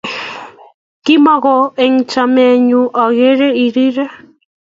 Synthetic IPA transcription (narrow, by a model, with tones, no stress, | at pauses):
kɪ˦mɔ˦ɣɔ˨e˨ŋt͡ʃa˨mɛ˨ɲu˨ʔɔ˨ɣe˦ɾe˦i˨ɾi˦ɾe˦